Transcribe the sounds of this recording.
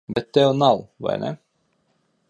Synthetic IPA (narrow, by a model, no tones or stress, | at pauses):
bɛt̪ːɛwnalˠva̰jnɛ̰